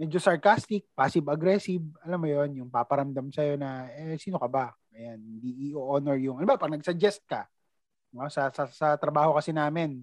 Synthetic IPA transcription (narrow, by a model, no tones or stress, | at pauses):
mɛːd͡ʒosɐɹkast̪ɪk̚paːsɪbɐɡɾɛsɪb̚ɐlamːʊjo̞njʊŋpapɐɾɐmd̪amsɐjo̞nɐɛsiːnokɐbaʔɐjanhɪnd̪iʔiʔʔonɛɹjʊŋʔɐnʊbapɐɡ̚nɐɡsɐd͡ʒɛst̪̚kɐ | osɐsɐsɐt̪ɾɐbaːhokɐsɪnaːmɛn